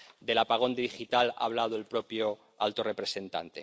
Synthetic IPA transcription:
d̪e̞lapaɣ̞o̞nd̪eðixit̪ala̰β̞lað̞oelpɾo̞pjo | alt̪o̞re̞pɾe̞se̞nt̪a̰nt̪e̞

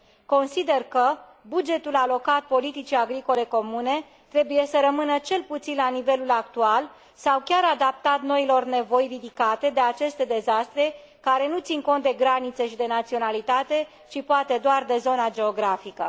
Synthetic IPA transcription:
ko̞nsid̪e̞rkə | bud͡ʒe̞t̪ulalo̞kat̪̚po̞lit̪it͡ʃiaɡɾiko̞le̞ko̞mune̞ | t̪ɾe̞buje̞səɾəmɨnət͡ʃe̞lput̪sinlanive̞lulak̚t̪ual | sawkʲaɾad̪ap̚t̪at̪no̞ilo̞rne̞vo̞jrid̪ikat̪e̞d̪e̞at͡ʃe̞st̪e̞d̪e̞zast̪ɾe̞ | kaɾe̞nut̪sinko̞nt̪̚d̪e̞ɡɾanit̪seʃid̪e̞nat̪sio̞nalit̪at̪e̞ | t͡ʃipoat̪e̞d̪oard̪e̞zo̞nad͡ʒe̞o̞ɡɾafikə̰

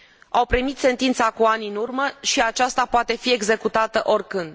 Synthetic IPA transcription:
awpɾimit̪se̞nt̪int̪sakuaniɨnurməʃiat͡ʃast̪apoat̪e̞fie̞ɡze̞kut̪at̪əʔo̞rʲkɨnd̪

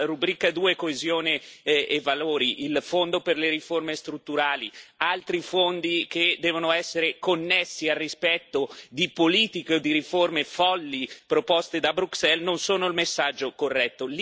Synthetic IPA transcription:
ɾubɾiːkad̪uːekoezjoːneːvaloːɾiʔilfond̪operleɾiformest̪ɾut̪ːuɾaːlialt̪ɾifond̪iked̪ɛːvonoɛsːeɾekonːesːiarːispɛt̪ːod̪ipoliːt̪ikeod̪iɾiformefɔlːipɾopɔst̪ed̪abɾuksɛlnonsoːnoilmesːad͡ʒːokorːɛt̪ːol

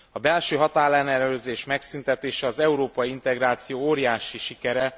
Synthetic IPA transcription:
ɒbɛlʃøːɦɒt̪aːrlɛnɛlløːzeːʃmɛksynt̪ɛt̪eːʃɛɒzɛuɾoːpɒjiint̪ɛɡɾaːt̪sijoːoːɾijaːʃiʃikɛɾɛ

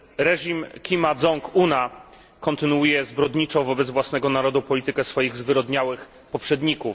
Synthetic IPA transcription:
ɾɛʐimkʲimad̪zɔŋkuna | kɔnt̪ɘnuujɛzbɾɔd̪ɲit͡ʂɔ̃w̃vɔbɛd̪zvwasnɛɡɔnaɾɔd̪upɔlʲit̪ɘkɛsfɔjiɣzvɘɾɔd̪ɲawɘx | pɔpʂɛd̪ɲikuf

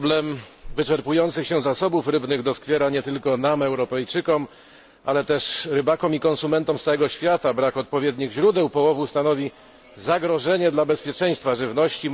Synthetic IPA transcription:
blɛmvɘt͡ʂɛɾpujɔnt̪sɘxɕɛzasɔbufɾɘbnɘɣd̪ɔskfʲjɛɾaɲɛt̪ɘlkɔnamɛwɾɔpɛjt͡ʂɘkɔm | ʔa̰lɛt̪ɛʂɾɘbakɔmikɔ̃nsumɛnt̪ɔmssawɛɡɔɕfʲjat̪abɾakɔt̪̚pɔvʲjɛd̪ɲiɣʑɾud̪ɛwpɔwɔvust̪anɔvʲi | zaɡɾɔʐɛɲɛd̪labɛspʲjɛt͡ʂɛ̃j̃st̪faʐɘvnɔɕt͡ɕi

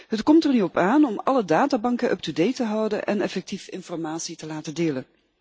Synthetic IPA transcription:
ɦətkɔmtɛrnyɔpaːnɔmɑlədaːtaːbɑŋkəʔœ̰p̚tudejtəɦʌwdənʔɛ̰nɛfɛk̚tifɪnfɔɹmaːtsitəlaːtədeːlən

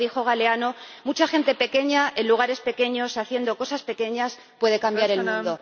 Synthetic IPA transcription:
ixo̞ɣ̞aleanomut͡ʃaxe̞nt̪e̞pe̞ke̞ɲae̞nluɣ̞aɾe̞spe̞ke̞ɲo̞saθje̞nd̪o̞ko̞saspe̞ke̞ɲas | pwe̞ð̞e̞kambjaɾelmnd̪o

